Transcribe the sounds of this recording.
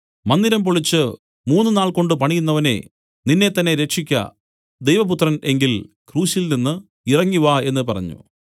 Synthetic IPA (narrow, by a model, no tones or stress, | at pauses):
mɐnd̪iɾɐmpoɭit͡ɕːɨ | muːnːɨnaːɭko̞ɳɖɨpɐɳijunːɐʋɐne̞̰ | ninːe̞t̪ːɐnːe̞ɾe̞kʂikʲːɐ̰ | d̪e̞jʋɐp̬ut̪rɐne̞ŋɡil | kruːɕilninːɨ | irɐŋːuʋae̞nːɨpɐrɐ̰ɲːṵ